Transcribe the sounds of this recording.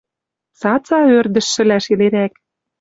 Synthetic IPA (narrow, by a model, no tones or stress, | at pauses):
sɑt͡sɑørd̪ə̆ʃːɘ̆læʃeleɾæk